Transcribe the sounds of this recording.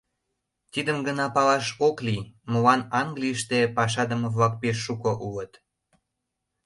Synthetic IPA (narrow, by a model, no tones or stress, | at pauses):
t̪id̪əmɡənɑpɑlɑʃoklimolɑnɑŋɡlijəʃt̪epɑʃ̬ɑd̪əməvlɑk̚peʃːukoʔulət̪